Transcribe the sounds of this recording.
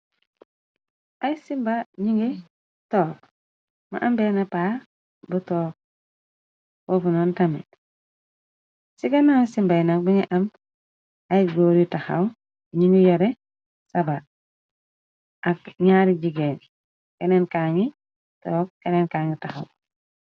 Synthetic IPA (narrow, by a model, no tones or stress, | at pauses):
ajisimbaɲiŋɡe | toːk | ma̰ʔambenapa | butoːk̚ | fofunontamḛt | siɡanansimbainak̚biŋiʔam | ajiɡoɾitaxaw | ɲiŋɡijoɾe | saba | ʔakɲaɾiɟiɡeːn | kenenkaŋi | toːk̚kenenkaːŋitaxaw